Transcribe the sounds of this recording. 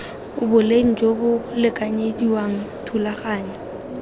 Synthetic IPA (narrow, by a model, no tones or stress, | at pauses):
ʊbʊleŋ̩d͡ʒobʊlɪkʼaɲediwaŋ̩tʰulaχaːɲɛ